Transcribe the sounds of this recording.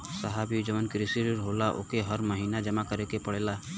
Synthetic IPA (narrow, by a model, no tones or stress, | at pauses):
səɦabiud͡ʒəʋənkɾisiɾɾɦolaʔo̰keɦəɾməɦinad͡ʒəmakəɾekepəɽela